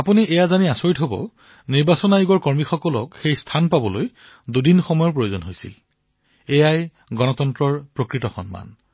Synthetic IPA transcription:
apuniʔɛjazaniasoɹitɦobɔ̰ | niɹbasɔnajuɡɔɹkɔɹmixɔkɔlɔ̰kxejstʰanpabɔloj | dudinxɔmɔjɔpɹojozɔnɦojsḭl | ɛjaj | ɡɔnɔtɔntɹɔɹpɹokɹitɔxɔ̰nma̰n

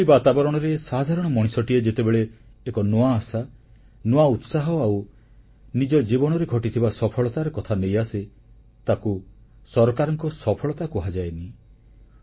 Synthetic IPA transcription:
ibat̪abɔɾɔɽ̃ɔɾesad̪ʱaɾɔɽ̃ɔmɔɽ̃isɔʈied͡ʒet̪ebeɭeːkɔnoaːsa | noaut̪saɦɔaw | nid͡ʒɔd͡ʒibɔɽ̃ɔɾeɡʱɔʈit̪ʰibasɔpʰɔɭɔt̪aɾekɔt̪ʰanejase | t̪akusɔɾɔkaɾɔŋkɔsɔpʰɔɭɔt̪akuɦad͡ʒaeni

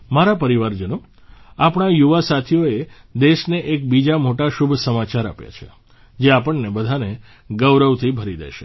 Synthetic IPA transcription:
maɾapəɾiʋaɾd͡ʒəño | apɳajuʋasat̪ʰijoe | d̪eʃneʔek̚bid͡ʒamoʈaʃubʱsəmat͡ʃaɾa̰pja̰t͡ʃʰḛ | d͡ʒeapəɳnebəd̪ʱane | ɡəʋɾəʋt̪ʰibʱəɾid̪ḛʃe

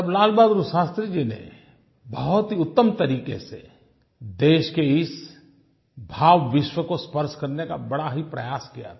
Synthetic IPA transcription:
ɐblaːlbaːd̪ɾuʃaːst̪ɾid͡ʒinḛ | bəɦʊt̪ɦiʊt̪ːəmt̪ɐɾiːkḛsḛ | d̪eːʃkeɪs | bʱaːʋːɪʃwəkospəɾʃkɐɾneka̰bɐɽaɦipɾɐ̰jaːskija̰t̪ʰː

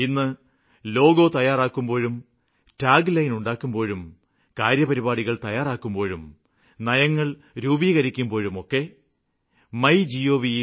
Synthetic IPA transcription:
inːɨ | lo̞ːɡo̞ːt̪ɐjaːraːkːumbo̞ːɻum | ʈaːɡlɐjnuɳɖaːkːumbo̞ːɻum | kaːɾjɐpɐɾibaːɽiɣɐɭt̪ɐjaːraːkːumbo̞ːɻum | nɐjɐŋːɐɭ | ɾuːbiːɣɐɾikʲːumbo̞ːɻumo̞kːe̞ | mɐjd͡ʑijoːʋi

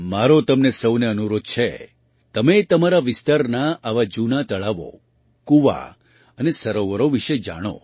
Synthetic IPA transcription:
maɾot̪əmnesəwneənuɾod̪̚t͡ʃʰḛ | t̪əmet̪əmaɾaʋɪst̪aɾnaʔaʋad͡ʒunat̪əɭaʋo̰ | kuʋa̰ | ənesəɾoʋəɾoʋiʃed͡ʒa̰ɽ̃o̰

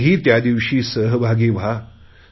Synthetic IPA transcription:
ɦiːt̪jad̪iʋɕiːsəɦbʱaɡiːʋ̤a

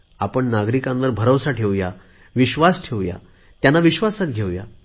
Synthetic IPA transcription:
apəɳnaɡɾikãnʋəɾbʱəɾowsaʈʰeʋja | ʋiɕʋasʈʰeʋja̰ | t̪janːaʋiɕʋasat̪̚ɡʱewja̰

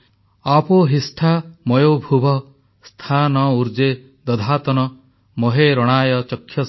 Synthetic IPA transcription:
apɔɦisʈʰamɔjobʱubʱɔ | st̪ʰanɔuɾd͡ʒe | d̪ɔd̪ʱat̪ɔnɔ | mɔɦeɾɔɽ̃aːjɔt͡ʃɔkʰːjɔ

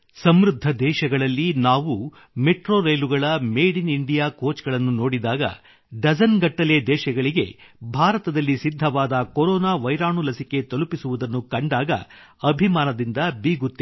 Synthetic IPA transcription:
sɐmɾud̪ʱːɐd̪ɛːʃɐɡɐɭɐlːinaːʋu | meʈɾoːɾɐjluɡɐɭɐmeːɽiniɳɖijaːkoːt͡ʃɡɐɭɐnːuno̞ːɽid̪aːɡɐ̰ | ɖɐd͡ʒɐnɡɐʈːɐle̞d̪ɛːʃɐɡɐɭiɡe̞̰bʱaːɾɐt̪ɐd̪ɐlːisid̪ʱːɐʋaːd̪ɐkoɾɔːnaːʋɐjɾaːɳulɐsike̞t̪ɐlupisuʋud̪ɐnːukɐɳɖaːɡɐ̰ | ɐbʱimaːnɐd̪ind̪ɐbiːɡut̪ːe

